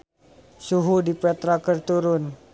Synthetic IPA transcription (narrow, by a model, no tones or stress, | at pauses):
suɦudipɛt̪ɾakərt̪uɾʊn